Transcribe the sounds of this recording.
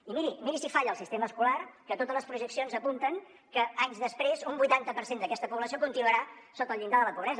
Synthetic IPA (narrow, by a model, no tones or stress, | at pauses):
imiɾimiɾisifaʎəːlˠsist̪eməskularkət̪ot̪əzləspɾuʒəksionzəpunt̪əŋ | kəaɲzðəspɾezumbujt̪ant̪əpəɾsend̪əkɛst̪əpuβləsiokunt̪inuəɾasot̪əlˠʎind̪aðələpuβɾɛzə